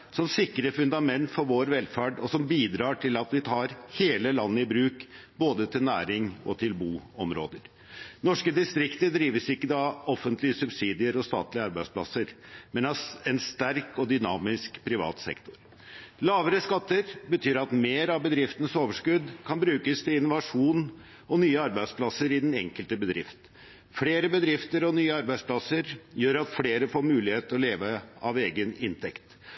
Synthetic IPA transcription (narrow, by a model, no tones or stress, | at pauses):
sɔmsɪkːɾəfʉnd̪ɑmɛnt̪fɔɾʋoːɾʋɛlfæːɖɔsɔmbiːd̪ɾɑːʈʰɪlɑt̪ʋɪt̪ʰɑːɾheːləlɑnːəɪbɾʉːkboːd̪ət̪ʰɪlnæːɾɪŋɔ̰t̪ʰɪlbuːɔmɾo̰ːd̪əɾ | nɔʂkəd̪ɪst̪ɾɪkt̪əd̪ɾiːʋəsɪkːəd̪ɑɔfənt̪ʰlɪəsʉbsiːd̪ɪəɾɔst̪ɑ̰ːt̪lɪəɑɾbæɪspʰlɑsəɾmɛnɑɛnst̪æɾkɔd̪ʏnɑːmɪskpʰɾɪʋɑ̰ːt̪sɛ̰kt̪ʊɾ | lɑːʋəɾəskɑt̪ːəɾbət̪ʰyːɾɑt̪meːɾɑʋbəd̪ɾɪft̪ənəsoːʋəʂkʉd̪kʰɑnbɾʉːkəst̪ʰɪlɪnʊʋɑʂuːn | ɔnyːəɑɾbæɪd̪spʰlɑsəɾɪd̪ɛnɛ̰ŋkəlt̪əbəd̪ɾɪ̰ft̪ | fleːɾəbəd̪ɾɪft̪əɾɔnyːəɑɾbæɪspʰlɑsəɾjøːɾɑt̪fleːɾəfoːɾmʉːlɪheːt̪ɔleːʋəɑʋeːɡənɪnt̪ʰɛkt̪